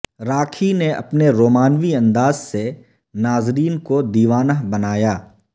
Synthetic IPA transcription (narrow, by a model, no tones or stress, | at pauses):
ɾaːkʰineʔɐ̰pneɾoːmaːnʋiɐ̃nd̪aːzse | naːzɾiːnkod̪iːʋaːnəɦbɐnaːjaː